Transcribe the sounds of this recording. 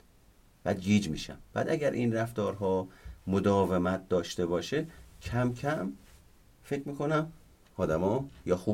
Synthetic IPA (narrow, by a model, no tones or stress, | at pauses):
b̥æːd̪̚ɡiːd͡ʒmḭːʃæ̰mb̥æ̰ːd̪æɟæɾʔinræft̪ɒːɾɦɒːmod̪ɒːvemæt̪̚ʰd̪ɒːʃt̪e̞βɒːʃecʰæmkʰæm | fecʰmiːkʰonæm | ɒːd̪æmɒːjɒːxuː